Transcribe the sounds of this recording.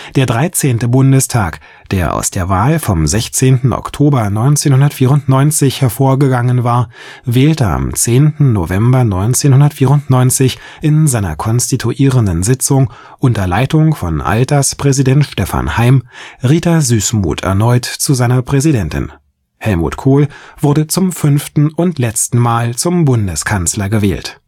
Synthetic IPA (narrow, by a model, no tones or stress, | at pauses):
d̥eːɐdʁaɪt͡seːntəbʊndəstʰaːk | d̥eːɐʔa̰ʊsd̥eːɐvaːlfɔmzɛçt͡seːntn̩ʔɔ̰ktʰoːbɐnɔʏnt͡seːnhʊndɐtfiːʁʊntnɔʏnt͡sɪçhɛɐfoːɐɡəɡaŋənvaːɐ | vɛːltəa̰mt͡seːntn̩no̰vɛmbɐnɔʏnt͡seːnhʊndɐtfiːʁʊntnɔʏnt͡sɪç | ʔɪnzaɪnɐ̰kʰɔnstitʰuʔiːʁəndənzɪt͡sʊŋ | ʔʊntɐlaɪtʊŋfɔ̰nʔa̰ltɐspʁ̥ɛzidɛntʃtɛfa̰nhaɪmʁiːtɐzyːsmṵːtʰɛ̰ɐnɔʏtt͡suzaɪnɐpʁ̥ɛzidɛntɪ̰n | hɛlmṵːtkʰoːlv̥ʊɐdət͡sʊmfʏnftn̩ʊntlɛt͡stn̩maːlt͡sʊmbʊndəskʰanslɐɡəvɛ̰ːlt